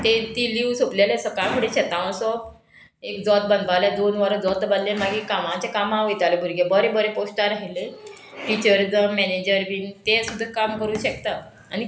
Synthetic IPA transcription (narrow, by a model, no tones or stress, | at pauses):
t̪et̪iːliʋsoplaljesɔkakʰoɽiɕet̪ãʋə̃sɔp | ekd͡zɔt̪̚bənd̪ʋaljad̪onʋəɾəd͡zɔt̪bənlemaɡikamãt͡ɕakamãʋojt̪alebʱuɾɡebəɾebəɾeposʈaɾaɦile | ʈit͡ɕəɾd͡zəmːɛned͡ʑəɾʋiːnt̪esud̪ʱːakamkəɾuːɕək̚t̪a | ani